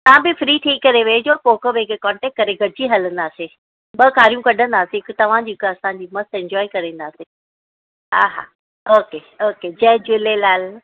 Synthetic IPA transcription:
t̪ɐʋ̤ãbɪfɾiːʈ̪ʰiːkːɐɾeʋɐed͡ʑoːpoːkəʋekekɔ̃ːɳʈɛːk̚ʈ̚kɐɾeɡʱɐɽd͡ʑiɦɐlə̃nd̪aːse | ɓɐkaːɾijũkɐɗʱə̃nd̪aːsekt̪ɐʋ̤ãd͡ʑikɐsãːɲd͡ʑiːmɐst̪ɛ̃ɲd͡ʑɔːikɐɾẽːnd̪aːse | ɦa̰ːɦa̰ː | oːke | oːked͡ʑɐːd͡ʑʊlelaːl

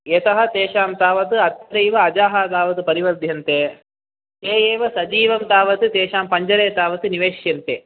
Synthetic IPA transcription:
jet̪ɐɦɐ̆t̪eːʃaːmt̪aːʋɐt̪ɨɐt̪ːɐɾɐjʋɐɐd͡ʒaːɦɐt̪aːʋɐt̪ɨpɐɾiʋɐɾd̪ʱjɐnt̪eː | eːjeːʋɐsɐd͡ʒiːʋɐmt̪aːʋɐt̪ɨt̪eːʃaːmpɐɲd͡ʒɐɾeːt̪aːʋɐt̪ɨniʋeːʃjɐnt̪eː

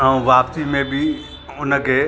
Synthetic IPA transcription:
ɦə̃ʋaːpt̪imẽbʱi | ʊnəke

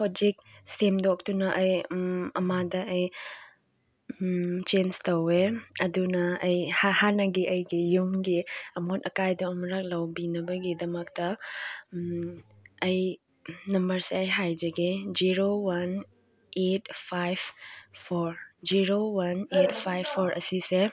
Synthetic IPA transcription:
pʰɔd͡ʒik̚semdɔk̚tunɐʔɐjɐmadɐɐj | t͡ʃenstɐweɐdunɐɐjhahanɐɡiʔɐjɡijumɡiɐmotɐkajdɔːmɾak̚lɐwbinɐbɐɡidɐmɐk̚tɐ | ɐj | nɐmbɐɾseɐjɦajd͡ʒɐɡid͡ʒiɾowɐn | et̚ʰpʰajbpʰoɾd͡ʒiɾowɐnet̚pʰajbʰoɾɐ̰sise

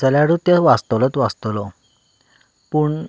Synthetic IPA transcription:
t͡səljaɾut̪jəʋast̪lət̪ʋast̪lɔ | puːɳ

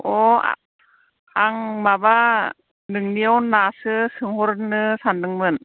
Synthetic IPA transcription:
ʔɔa̰ | aŋmaba | nɯŋniəwnasɯsɯŋhoɾnɯsanːɯŋmɯn

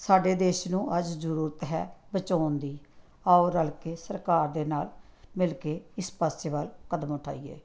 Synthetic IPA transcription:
saːɖeːd̪eːʃnũːʔəd͡ʒzəɾuːɾət̪ɦɛ̰ːbət͡ʃaːnd̪iː | aːoːɾəlkeːsəɾkaːɾd̪eːnaːlmɪlkeːɪspəseːʋalkəd̪əmʊʈʰa̰ːiːḛː

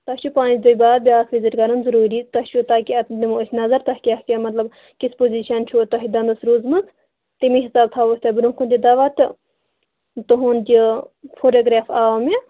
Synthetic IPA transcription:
t̪ɐt͡ʃupaːnid̪ujʲbaːd̪̚bʲaːkʰʋiziɾɡɐɾɐnzɐɾuːɾit̪ɐʃut̪aːkiɐnimːsʲnɐzɐɾt̪ɐhkʲiɐhkʲɐmɐt̪lɐb | kispoziːʃɐnt͡ʃʰut̪ɐɦid̪ɐnd̪ɨsɾuːzmɨt̪ | t̪imiɦisaːb̚t̪ʰaːʋosʲt̪ʲɐbɾũkund̪ʲid̪ɐʋɐt̪ʲi | t̪uɦund̪ʲifoːʈoːɡɾaːfaːmʲi

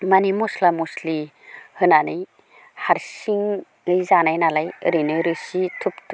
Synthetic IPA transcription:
manimuslamusli | hɯnanɯj | haɾsiŋ | ɯjzanajnalajɯɾinɯɾɯsitʰuptʰ

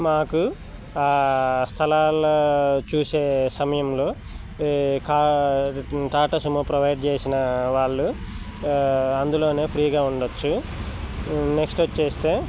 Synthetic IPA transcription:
maːku | aːst̪ʰɐlaːloːt͡ʃuːseːsɐmɐjɐmloː | kaː | ʈaːʈɐsumupɾɐʋɐjɖt͡ʃeːsinɐʋaːɭːu | ɐnd̪ulo̞ːne̞ːpʰɾiːɡaːuɳɖot͡ʃːu | neksʈːt͡ʃːeːst̪e̞ː

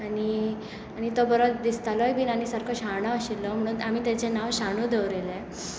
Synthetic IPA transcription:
aɽi | aɽ̃it̪obəɾod̪ist̪alɔjbʱiːnanisəɾkʰəɕaɳɔəɕilːɔm̤əɽ̃uːnamiːt̪at͡senaʋɕaɳ̃uːd̪eʋɾele

